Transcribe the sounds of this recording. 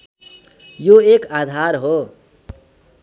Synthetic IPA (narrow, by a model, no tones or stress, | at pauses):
joekad̪ʱaɾɦo